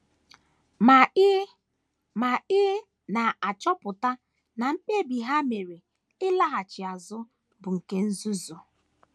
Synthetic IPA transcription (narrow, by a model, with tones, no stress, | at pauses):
ma˨ɪ˦ | ma˨ɪ˦ | na˨a˨t͡ʃɔ˦pʊ˨ta˦ | na˨m̩˦k͡pe˦bi˨ɦa˦me˨ɾi˨ | ɪ˦la˦ɦa˨t͡ʃɪ˨a˨zʊ˦ | bʊ˨ŋ̩˨ke˦n̩˦zu˦zu˨